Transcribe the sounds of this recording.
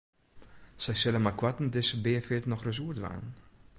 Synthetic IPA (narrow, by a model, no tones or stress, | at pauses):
sɛjsɛləmakwatn̩dɪsəbeːfetnɔχrəz̬uːtva̰ːn